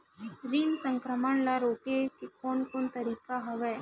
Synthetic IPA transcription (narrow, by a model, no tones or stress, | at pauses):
ɾiːnsə̃ŋkɾəməɳlaɾoːkekekɔːnkoːnt̪ɐɾiːkaɦɐʋɛː